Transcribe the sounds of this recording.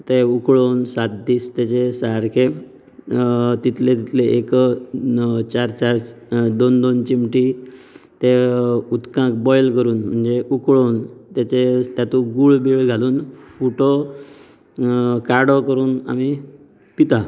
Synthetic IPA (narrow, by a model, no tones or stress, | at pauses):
t̪eukɭonsat̪̚d̪iːst̪jat͡ɕesaɾkʰe | t̪it̪ʰlẽt̪it̪ʰleʔekə | t͡ɕaɾt͡ɕaɾd̪ond̪ont͡ɕimʈit̪eut̪kãkbɔjlkəɾuːnm̤əɳd͡zeukɭont̪jat͡ɕet̪jat̪ũɡuːɭbiɭɡʱaluːnfuʈo | kaɾɽɔkəɾuːna̰mi | pit̪a